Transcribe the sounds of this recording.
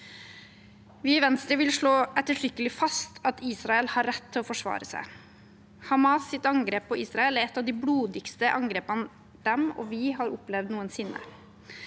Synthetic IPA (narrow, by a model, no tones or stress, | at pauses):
ʋɪʋɛnst̪ɾəʋɪlʂɭoːʔɛt̪ːəʈɾʏkːəlɪfɑst̪ɑt̪iːsɾɑɛlhɑɾːɛt̪ʰːɪlɔːfɔʂʋɑ̰ːɾəsæ̰ɪ | hɑmɑːsːɪt̪ɑŋɡɾeːpʰːɔʔiːsɾɑɛlæɾɛt̪ːɑʋd̪ɪbluːd̪ɪkst̪əʔɑŋɡɾeːpən | d̪̥ɛmɔ̰ːʋɪɦɑɾʊplɛʋd̪nuːənsɪnːə̰